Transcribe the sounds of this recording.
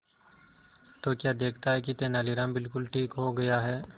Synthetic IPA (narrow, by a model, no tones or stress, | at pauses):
t̪oːkjaːd̪eːkʰt̪aɦɛkit̪eːnaːliɾãːmbɪlkʊlʈʰiːkɦoːɡɐjaːɦɛː